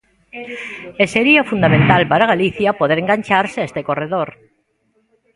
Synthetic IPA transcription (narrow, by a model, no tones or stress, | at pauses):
eseɾiafund̪amẽnt̪alpaɾaɣ̞aliθjapoðeɾeŋɡaɲʲt͡ʃaɾseest̪ekoreðoɾ